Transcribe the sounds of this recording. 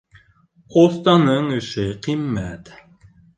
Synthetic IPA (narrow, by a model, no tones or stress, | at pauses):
ost̪ɑnɤɴɵ̆ʃɘqimːæt̪